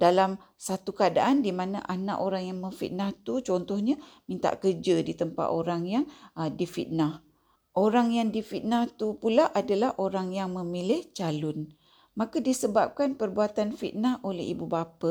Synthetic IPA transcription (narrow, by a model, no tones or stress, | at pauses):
dalam | sat̪ukəada̰ʔandimanaʔana̰ʔoɾaŋjaŋməfḭt̪̚naht̪ut͡ʃɔnt̪ɔhɲamĩnt̪a̰ʔkərd͡ʒədit̪əmpa̰t̪oɾaŋjaŋdifḭt̪̚nah | ʔoɾaŋjaŋdifit̪̚naht̪upulaʔadalahʔoɾaŋjaŋmə̃milɪht͡ʃalʊn | makadisəbap̚kanpərbuat̪anfḭt̪̚naholɛ̰ɦḭbubapa